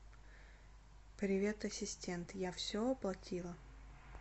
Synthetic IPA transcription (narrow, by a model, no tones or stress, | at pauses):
pɾʲɪvʲe̞t̪ɐsʲɪsʲtʲent̪jafsʲoɐplˠɐtʲilˠə